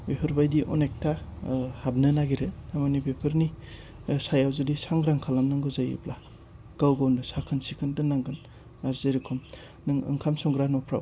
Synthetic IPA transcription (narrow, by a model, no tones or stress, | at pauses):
eɦɯɾbajdiʔɔ̰nek̚tʰahab̚nɯnaɡiɾɯnamanibepʰɯɾni | sajawzɯdisaŋɡɾaŋkʰalamnɯŋɡɯzajɯ̰pla | ɡ̥awɡawnɯsakʰɯnsikʰɯndɯnːaŋɡɯn | aɾzejɾikʰɔm | nɯŋɯ̰ŋkʰamsɔŋɡɾanɔpʰɾa̰w